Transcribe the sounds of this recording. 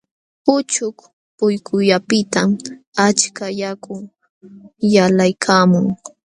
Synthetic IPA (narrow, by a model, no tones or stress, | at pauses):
pʊt͡ʃʊk | pʊjkʰʊʎapɪt̪amat͡ʃkajakʊŋ | jalajkʰaːmʊŋ